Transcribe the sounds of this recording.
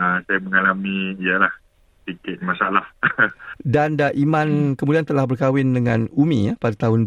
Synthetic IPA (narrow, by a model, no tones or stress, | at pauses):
əsajaməŋalamĩːjalah | sikɪt̪̚mãsaalah | dandaʔimãnkəmũdiant̪əlahbərkawɪndəŋãnumḭ̃japadat̪aɦʊn